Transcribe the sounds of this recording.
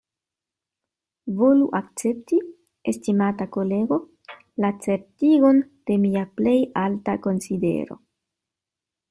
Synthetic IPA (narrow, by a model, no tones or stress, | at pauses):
vo̞luʔak̚t͡se̞p̚ti | estimatako̞le̞ɡo̞ | lat͡se̞ɾtiɡo̞nd̥e̞miaple̞jaltako̞nside̞̰ɾo̞̰